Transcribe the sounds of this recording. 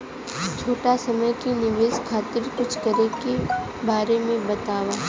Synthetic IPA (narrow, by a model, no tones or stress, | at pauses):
t͡ʃʰoːʈasɐməjkinɪʋeːskʰaːt̪ɪɾkʊt͡ʃʰkɐɾeke | baːɾemẽbɐt̪aːwaː